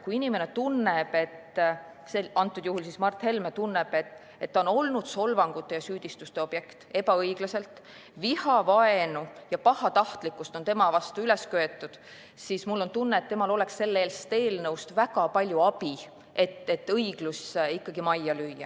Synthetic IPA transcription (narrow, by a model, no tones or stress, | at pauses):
kuinime̞ne̞t̪unːeb̥e̞t̪ | seɑnt̪ːˑud̪̥juhulsismɑrt̪he̞lmet̪unːe̞b̥e̞t̪ | e̞t̪ːɑono̞lnud̪̥so̞lvɑŋɡ̥ut̪ːˑe̞jɑsyːd̪̥ist̪ust̪e̞o̞b̥je̞kt̪e̞pɑɤjɡ̥lɑse̞lt̪ | vihɑvɑe̞nujɑpɑhɑt̪ɑht̪likːˑust̪o̞nt̪e̞mɑvɑst̪uyle̞skøet̪ːˑud̪̥ | sismulːo̞nt̪unːeːt̪t̪ːe̞mɑlo̞le̞ksːe̞lːeeːlst̪e̞ːlnɤwst̪væɡ̥ɑpɑlʲjuɑb̥i | e̞t̪ːe̞t̪ːɤiɡ̥lusikːɑɡimɑjːɑlyjːɑ̰